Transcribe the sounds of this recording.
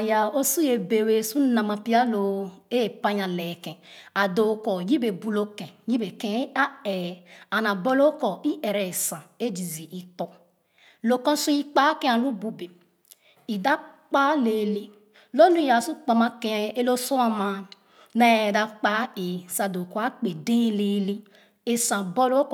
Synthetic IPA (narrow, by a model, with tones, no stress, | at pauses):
a˨ja˨o˦su˦je˨be˨we˨su˦na˨ma˨pi˦a˦lo˨e˦˨pa˦ɲa˨le˨kɛ̃˨a˨do˨kɔ˨ji˦be˨bu˨lo˦kɛ̃˨ji˦be˨kẽ˨˦a˦e˨a˨na˨bo˦lo˦kɔ˨i˦ʔe˨ɾɛ˨sã˨e˦d͡ʒi˨zi˨ʔi˨k͡pɔ˦ | lo˨kɔ˦su˦i˦k͡pa˦ke˦a˨lu˦bu˨be˨ | i˨da˦k͡pa˦le˨li˦ | lo˦nu˦˨ja˨su˦k͡pa˨ma˦ke˦e˦lo˦so˦a˨ma˨ | ne˨da˦k͡pa˦e˨sa˨do˨kɔ˨˦a˦k͡pe˨de˦le˦li˦ | e˦sã˨bo˦lo˦k